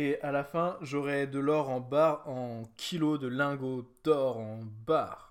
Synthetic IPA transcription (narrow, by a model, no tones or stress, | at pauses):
ealafɛ̃ʒɔʁɛd̪əlɔʁɑ̃baʁɑ̃kʲʰilod̪əlɛ̃ɡod̪̥ɔʁɑ̃baːʁ